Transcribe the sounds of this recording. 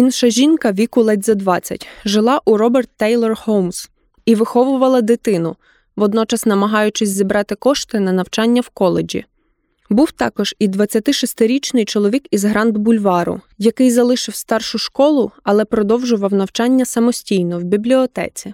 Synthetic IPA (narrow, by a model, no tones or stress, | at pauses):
inʃɐʒʲinkɐʋʲikʊlˠɛdʲzɐd̪ʋɑt͡sʲːɐ̰tʲʒɪlˠɑʔuɾɔbɛrt̪ːɛjlˠɔrhowms | iʋɪxɔʋʊʋɐlˠɐd̪ɪt̪ɪnʊ | ʋɔd̪nɔt͡ʃɐsnɐmɐɦɑjʊt͡ʃɪsʲzʲibɾɑt̪ɪkɔʃt̪ɪnɐnɐwt͡ʃɑnʲːɐwkɔlˠed͡ʒʲḭ | buwt̪ɑ̰kɔʒ̥id̪ʋɐt͡sʲːɐt̪ɪʃɔst̪ɪɾʲit͡ʃnɪjt͡ʃɔlˠɔʋʲikizɦɾɑnd̪bʊlʲʋɑɾʊ̰ | jɐkɪjzɐlˠɪʃɪwst̪ɑrʃʊʃkɔlˠʊɐlˠɛpɾɔd̪ɔwʒʊʋɐwnɐwt͡ʃɑnʲːɐsɐmɔsʲtʲijnɔwbʲiblʲiɔt̪ɛ̰t͡sʲi